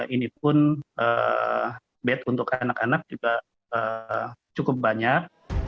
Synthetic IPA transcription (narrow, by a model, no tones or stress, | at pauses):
inipʊnʔə̰ | bɛt̪unt̪ʊkanakanak̚d͡ʒuɡa | əːt͡ʃukʊp̚baɲak̚